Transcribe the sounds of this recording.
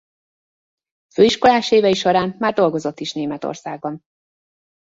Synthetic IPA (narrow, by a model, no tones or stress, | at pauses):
føːiʃko̞laːʃeːvɛiʃoɾaːnmaːrd̪o̞lɡo̞zo̞t̪ːiʃneːmɛt̪o̰rsa̰ːɡ̚bɒn